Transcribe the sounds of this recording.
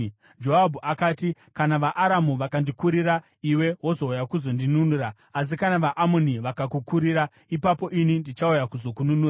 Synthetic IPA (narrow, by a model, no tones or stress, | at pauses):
d͡ʒo̞ɦabʱuʔakaːti | kanaʋaʔaɾamuʋakandikuɾiɾa | iwe̞ɦwo̞zo̞ujakuzo̞ndinunuɾaː | s̬ikanaʋaʔamoniʋakakukuɾiɾa | ipapo̞ʔinindit͡ʃaujakuzo̞kununuːa